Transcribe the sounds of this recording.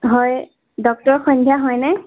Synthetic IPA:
ɦɔj | dɔk̚tɔɹxɔndʱjaɦɔjnɛ

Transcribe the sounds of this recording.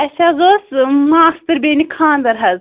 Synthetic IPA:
ɛsʲazosmaːst̪ɨɾbenikʰaːnd̪ɐɾɦɐz

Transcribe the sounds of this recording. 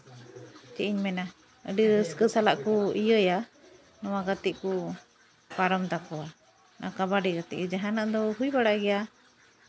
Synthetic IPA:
t͡ʃiʔiɲmɛna | əɖiskəsalaʔkɔijəja | nɔwaɡat̪iʔku | paɾɔmt̪akɔa | nʔa̰kabaɖɛɡat̪ḭʔd͡ʒaɦanaʔd̪ɔɦujbaɽaʔɡɛja

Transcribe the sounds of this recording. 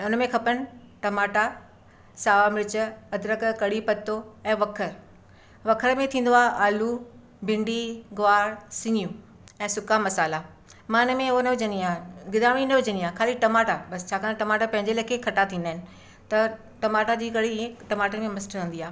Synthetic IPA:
ʊnmẽkʰɐpənɪ̆ | ʈɐmaːʈa | saːʋamɪɾt͡ɕə̆ɐd̪ɾəkkɐɽipɐt̪ːoɛ̃ːʋɐkʰəɾ | ʋɐkʰəɾmẽt̪ʰĩːnd̪oaːɦʔaːlu | bɪ̃ɳɖiɡʊʋaːɾɽsɪ̃ŋijũ | ɛ̃ːsʊkamɐsaːla | mãːɪnmẽonɐʊd͡ʑə̃niaːɦɡɪd̪aːm̃inɐʊd͡ʑə̃niaːkʰaːliʈɐmaːʈabɐst͡ɕʰaːkʰaːnʈɐmaːʈapɐ̃ɦɪ̃ɲd͡ʑelɐkʰekʰɐʈat̪ʰĩːnd̪aːɪnɪ̆ | t̪ɐ | ʈɐmaːʈad͡ʑiːkɐɽiiẽʈɐmaːʈənmẽmɐsʈʰə̃ːnd̪iaːe

